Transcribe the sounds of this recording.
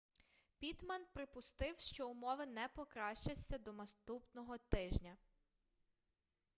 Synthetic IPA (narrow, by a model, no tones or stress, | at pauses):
pʲit̪mɐnpɾɪpʊst̪ɪwʃt͡ʃɔʊmɔʋɪnɛpɔkɾɑʃt͡ʃɐt͡sʲːɐd̪ɔnɐst̪upnɔɦɔt̪ɪʒnʲɐ